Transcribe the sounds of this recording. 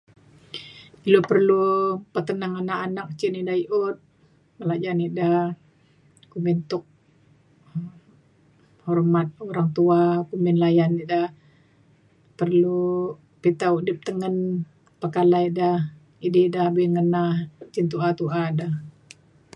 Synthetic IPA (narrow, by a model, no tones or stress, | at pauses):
ilopərlupət̪ənaŋanakanak̚t͡ʃiniʔdaiʔʊt̪̚ | məlad͡ʒarniʔda | kumɪnt̪ʊk̚ | hɔrmat̪̚oɾaŋt̪uakumɪnlajanːiʔdah | pərlu | pit̪audɪp̚t̪əŋən | pəkalaidah | ididahbiŋənaht͡ʃint̪uat̪uʔadah